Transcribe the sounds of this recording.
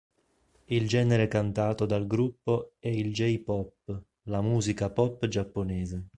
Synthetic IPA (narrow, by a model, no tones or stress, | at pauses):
ild͡ʒɛːneɾekant̪aːt̪od̪alɡɾupːoɛild͡ʒɛjpɔpː | lamuːzikapɔpːd͡ʒapːonɛːze